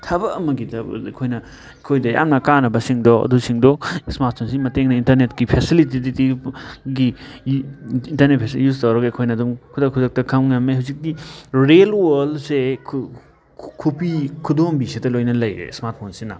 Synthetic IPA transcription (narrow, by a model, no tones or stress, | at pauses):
tʰɐbɐːmɐɡidɐ̰kʰojnɐ | kʰojdɐja̰mnɐkanɐbɐsiŋdɔɐ̰dusiŋdɔsmaɾt̚pʰonsimɐteŋnɐintɐɾnetkipʰesilit̬iditiɡi | intɐɾnet̚pʰesijustɐwɾɐɡɐkʰojnɐduŋkʰudɐkʰudɐk̚tɐkʰɐmnɐmeɦawzik̚diɾelwolsekʰ | kʰupikʰudombisitɐlojnɐlɐjɾḛsmaɾt̚pʰonsinɐ